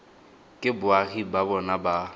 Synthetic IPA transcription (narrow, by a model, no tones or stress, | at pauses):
kʼɪbʊaɣibabɔnaba